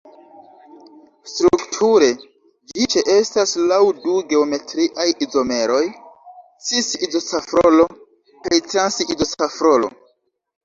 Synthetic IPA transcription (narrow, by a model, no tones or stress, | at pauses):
stɾuktʰuɾe̞ | d͡ʒit͡ʃe̞ʔe̞staslawduɡe̞ome̞tɾiʔajizo̞me̞ɾo̞j | t͡sisizo̞t͡safɾo̞lo̞ | kajtɾansizo̞t͡safɾolo̞̰